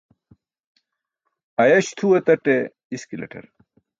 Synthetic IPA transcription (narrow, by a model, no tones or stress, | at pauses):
ɐjɐɕt̪ʰuet̪ɐʈe | iskilɐ̰ʈʰḛɾ